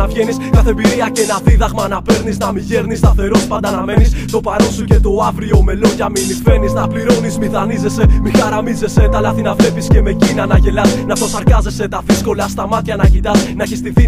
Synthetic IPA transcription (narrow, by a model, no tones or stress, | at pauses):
ɐvʝe̞niskɐθe̞mbiɾiɐce̞nɐðiðɐɣmɐnɐpe̞ɾnisnɐmiʝe̞ɾnist̪ɐθe̞ɾo̞spɐnd̪ɐnɐme̞nist̪o̞pɐɾo̞nsuce̞t̪o̞ɐvɾio̞me̞lo̞ʝɐmimife̞niznɐpliɾo̞nizmiθɐnize̞se̞mixɐɾɐmize̞se̞t̪ɐlɐθinɐvle̞fisceme̞cinɐnɐʝe̞lɐsnɐp̪o̞sɐɾkɐze̞se̞t̪ɐðisko̞lɐst̪ɐmɐt̪çɐnɐcit̪ɐsnɐcist̪iθi